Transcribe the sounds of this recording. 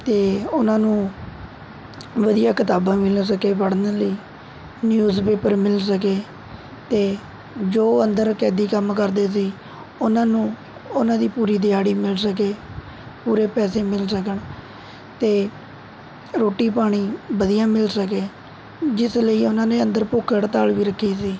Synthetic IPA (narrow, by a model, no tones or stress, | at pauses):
t̪eːʊnãːnũː | ʋəd̪ijãːkɪt̪aːbãːmɪls̬əkeːpəɽnələiː | njuːzpeːpəɾmɪlsək̬eː | t̪eː | d͡ʒoːənd̪əɾkɛːd̪iːkəmkəɾd̪eːs̬iː | ʊnãːnũː | ʊnãːd̪iːpuːɾiːd̪ɪjaːɽiːmɪlsəkeː | puːɾeːpɛːseːmɪlsəkən | t̪eː | ɾoːʈiːpaːɽ̃iːbəd̪ɪjãːmɪlsəkeː | d͡ʒɪsləiːʊnãːnẽːənd̪əɾpoːkʰəɽt̪aːlʋiːɾəkʰːiːsiː